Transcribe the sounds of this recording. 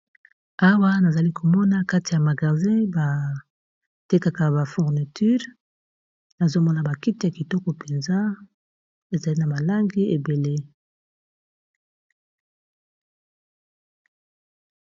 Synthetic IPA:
a˦wa˦na˨za˨li˦kʰo˨mɔ˦na˦ka˦ti˨ja˨ma˨ɡa˨zɛ̃˦ba˨ | te˦ka˨ka˨ba˨fu˨ʁni˨ty˦ʁ | na˨zo˦mɔ˦na˨ba˨ki˦ti˦ja˨ki˨tɔ˦kɔ˨pe˨nza˦ | e˨za˨li˦na˨ba˨la˦ŋɡi˦e˨be˨le˦

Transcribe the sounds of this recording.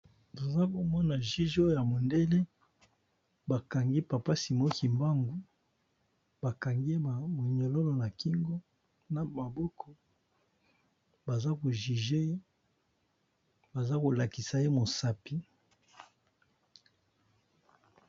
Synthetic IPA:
to˨za˦ko˨mɔ˦na˨ʒi˦ʒo˦˨ja˨mo˨nde˦le˦ | ba˨ka˨ŋɡi˦pa˨pa˦si˨mo˦ki˨mba˦ŋɡu˦ | ba˨ka˨ŋɡe˦a˨mo˨ɲo˨lo˦lo˨na˨ki˦ŋɡo˦ | na˨ma˨bɔ˦kʰɔ˨ | ba˨za˦ko˨ʒi˨ʒe˦e˦ | ba˨za˦ko˨la˨ki˨sa˨je˦mo˨sa˦pi˦

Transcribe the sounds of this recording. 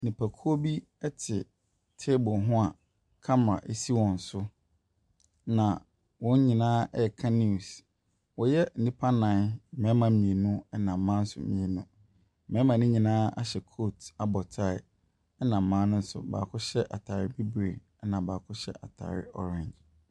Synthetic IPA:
nĩ˨pʰa˨kʰu˦o˦bi˦ | ɛ˦tʰɪ˨ | tʰe˦bʊ˨ɦʊ̃˦a˨ | kʰa˦mã̰˨ʔe˦si˦wɔ̃˨n̩˨sʊ˦ | nã˨ | wɔ̃˨˦ɲ˦ɲĩ˨nãː˦ɛ˦˨kʰa˦ni˦˨s | wɔ˨jɛ˦n̩˨nĩ˦pʰa˦nã˨n̩˦mɛ̃˨˦mã˨mĩ˨e˨nʊ̃˦ɛ˦nã˨m̩˨mã˦n̩˦sʊ̰˨mĩ˨e˨nʊ̃˦˨ | mɛ̃˦mã˨nɪ̃˦ɲĩ˨nãː˦a̰˦ɕɛ˨kʰo˦˨ta˦bɔ˨tʰa˦˨ɪ̰˨ | ɛ˦nã˨m̩˨mã˦nʊ̃˦n̩˦sʊ̰˨ba̰ː˨kʰʊ˦ɕɛ˦ʔa˨tʰa˨ɾɪ˦bi˦bɾe˨ | ɛ˦nã˨baː˨kʰʊ˦ɕɛ̰˦ʔa̰˨tʰa̰˨ɾɪ̰˦ɔ̰˦ɾɛ̃˨ɲd͡ʒ

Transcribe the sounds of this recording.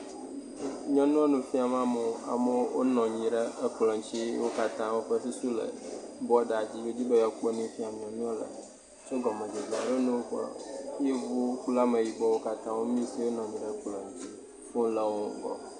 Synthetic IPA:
ɲɔ̃˦nũ˦a˦nũ˨fi˦a˨mã˦mo˨˦a̰˨me˦wo̰˦nɔ̃˨ɲĩ˨ɖə˦ə˦k͡plɔ̃˨ɲ˦t͡ɕi˦wo˦ka˦t̪ã˦wo˦ɸə˦t̪u˦su˦lə̰˨ | bɔ˦ɖa˨d͡ʑi˦be˦d͡ʑi˦be˦ja˨k͡pe˦nĩ˦fĩ˦a˨ɲɔ̃˨nũ˦a˦lə̰˨ | so˦ɡɔ˨mẽ˨d͡ʒe˨di˨a˨ɖe˦nũ˦wo˦ɸje˦vu˦kla˦me˨ji˨bɔ˦wo˦ka˦t̪ã˦wo˦mĩ˦si˦wo˦nɔ̃˨ɲĩ˨ɖə˦k͡plɔ̃˨ɲ˨˦t͡ɕi˦ | o˦lə˨wo˦ɡɔ̰˨

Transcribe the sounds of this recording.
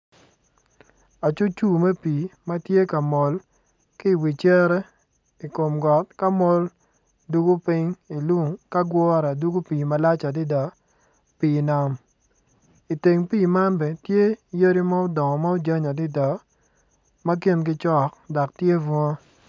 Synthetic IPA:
a˨t͡ʃu˦t͡ʃu˦me˦piː˨ma˦tje˦ka˨mɔ˨l | ki˦˨wi˨t͡ʃe˦ɾɛ˦ | i˨ko˨mɡɔ˨t̚ka˦mo˦l | du˦ɡu˦pɪ˦ŋi˨lu˦ŋka˦ɡwɔ˦ɾa˨du˦ɡu˦piː˨ma˦la˦t͡ʃa˨dɪ˦dɔ˨ | piː˨na˨˦m | i˨te˨ŋpiː˦˨ma˦nbɛ˨tje˦je˦ɾi˦ma˦ʊ˦dɔ˨ŋɔ˨ma˦o˦d͡ʒa˦ɲa˨dɪ˦dɔ˨ | ma˦ki˦nɡ̬ɪ˦t͡ʃɔ˦kdɔ˨k̚tje˦vɔ˦

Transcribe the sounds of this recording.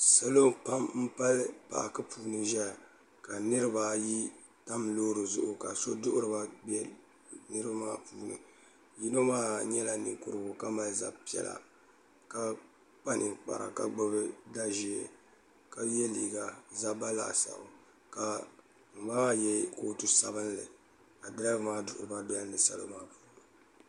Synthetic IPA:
sa˦lo˦pa˦mm̩˦pa˦lpa̰˨ʔkɨ˦puː˨nɨ˨ʒɛ˦˨ | ka˨nɨ˦ɾɨ˦ba˨ji˦ | ta˦mloː˦ɾɨ˨zʊ̰˦ʔʊ˨ka˨so˦dʊ˦ʔʊ˦ɾɨ˨ba˦bɛ˦ | nɨ˦ɾɨ˦a˦maː˦puː˦˨nɨ̰˨ | ji˦no˦maː˦ɲɛ˦la˨nɨ̰˨ŋkʊ˨ɾɨ˨bʊ˨ka˦ma˦lza̰˦pi˨˦ɛ̰˨la̰˨ | ka˦ | k͡pa˦nʔɨ˨k͡pa̰˨ɾa̰˨ka˦ɡ͡bɨ˦βɨ˦da˦ʒi˨ɛ˨ | ka˦jɛ˦liː˨ɡa˨za˦ba˦la̰˨sa̰˨ʊ˨ | ka˨ | m̩˨ba˦jɛ˦koː˦tu˦sa˨bɨ˦nlɨ̰˨ | a˨dɨ˦ɾa˦vmaː˦dʊ˦˨ʔʊ̰˦ɾɨ˨ba˦bɛ˦lnɨ˨sa˦lo̰˦maː˦puː˦n˦n˨

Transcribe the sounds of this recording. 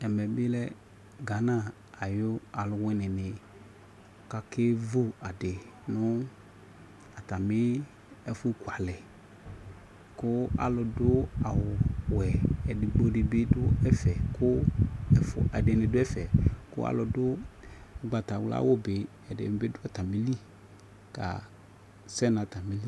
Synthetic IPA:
ɛ˨mɛ˨bɪ˦lɛ˦ | ɡa˨nã˦˨ | a˨jʊ˦a˨lʊ˨wɛ˦nɪ˨nɪ˨ | ka˦ke˦vu˦a˨dɪ˨ | nʊ˦ | a˨t̪a˨mɪ˦ | ɛ˦fu˦ku˨a˨lɪ˨ | kʊ˦a̰˨lʊ˨dʊ˦a˨wʊ˨wɛ˨ɛ˨dɪ˨ɡ͡bo˦ɖɪ˨bɪ˦dʊ˦ɛ˦fɛ˨kʰʊ˦ɛ˨fʊ̰˨ɛ˨dɪ˨nɪ̃˨dʊ˦ɛ˦fɛ˨kʊ̰˦a̰˨lʊ˨dʊ˦˨ | ɡ͡ba˨ta˨wla̰˦wʊ˦bɪ˨ | ɛ˨dɪ̰˨mɪ˨bɪ˦dʊ˦ɛ˦ta˨mi˦li˦ | ka̰˨ | sɛ˦na˨ta˨mi˨˦li˦

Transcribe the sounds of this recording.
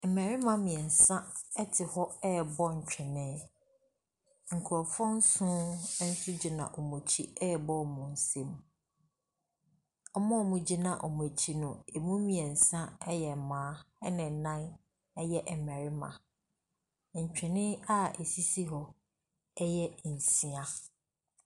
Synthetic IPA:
ɛ˨mæ˨ɾɪ˦mã˨mĩ˨ɛ˨n̩˨sã˦ɛ˦tʰɪ˨hɔ˦ɛ˦˨bɔ˦ɲ̩˨t͡ɕᶣɛ̃˨nɪ̃˦ | ŋ̩˨kʰʊ˨ɾɔ˨fɔ̃˦n̩˦sʊ̃˦n̩˦sʊ˦d͡ʑi˨nã̰˨ʔɔ˨mõ˨t͡ɕʰi˦ɛ˦˨bɔ˦˨mʊ̃˨n̩˨sẽ˦m | ɔ˦mɔ̃˦˨mʊ̃˨d͡ʑi˦nã˨ʔɔ˨m˨ɔ˨t͡ɕʰi˦nʊ̃˨e˨mũ˦mĩ˨ɛ˨n̩˨sã˦ɛ˦jɛ˨mãː˨˦ɛ˦nɪ̃˨nã˦n | ɛ˦jɛ˦ʔɛ˨mæ̃˨ɾɪ˦mã̰˨ | ɲ̩˨t͡ɕᶣɛ̃˨nɪ̃˦a˦e˨si˦si˦ɦɔ˦ | ɛ˦jɛ˦n̩˨si˨˦ã˦

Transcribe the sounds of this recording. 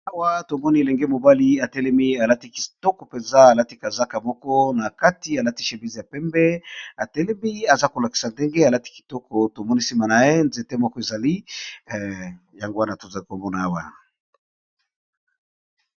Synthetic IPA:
a˦wa˦to˨mɔ˦ni˦e˨lɛ˨ŋɡe˦mo˨ba˦li˦a˨tɛ˦lɛ˦mi˦a˨la˦ti˦ki̥˨tɔ˦kɔ˨pe˨nza˦a˨la˦ti˦ka˨za˦ka˨mɔ˦kɔ˦na˨ka˦ti˨a˨la˦ti˦ʃe˨bi˦zi˨ja˨pɛ˦mbɛ˦a˨tɛ˦lɛ˦mi˦a˨za˦ko˨la˨ki̥˨sa˨nde˦ŋɡe˦a˨la˦ti̥˦ki̥˨tɔ˦kɔ˨to˨mɔ˦ni˦si˦ma˨na˨je˦nze˦te˦mɔ˦kɔ˦e˨za˨li˦ | ja˨ŋɡo˦wa˦na˨to˨za˨li˦ko˨mɔ˦na˨a˦wa̰˨

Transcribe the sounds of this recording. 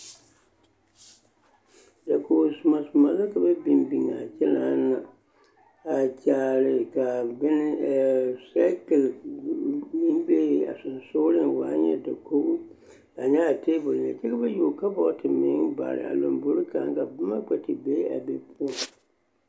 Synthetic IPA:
da˨ko˨su˨ma˨sʊ˨ma˨la˦ka˨be˦bi˨nbi˨ŋa̰˨t͡ʃɛ˦laː˦na˨ | a˨d͡ʒaː˨ɾɪ˨ka˨bɛ˦nɪ˦˨sa˦ke˨l | mi˦n˦be˦a̰˨sʊ˨n˨soː˦lɪ˦nwaː˦ɲɛ̰˨da˨kʰo˦ | a˨ɲɛ˦a˨tʰe˦bo˨lna̰˨t͡ʃɛ˦ka˦be˦jo˨ka˦bɔ˦tʰɪ˨mɪ̃˨˦ba̰˨ɾɪ̰˨a̰˨lo˨mbo˦ɾi˦ka˨˦ŋ˦ka˨bʊ˦ma˦ɡ͡bɛ˨tɪ˨be˦a̰˨be˨pʰu˦ɔ˨

